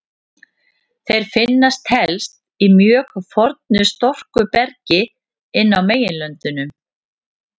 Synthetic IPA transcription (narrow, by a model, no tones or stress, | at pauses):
θejɾ̥fɪnːast̪hɛlst̪ | imjœːɣfɔɾt̪̚nʏst̪ɔr̥kʏpɛɾcɪ | ɪnːawmeːjɪnlœnt̪ʏnʏm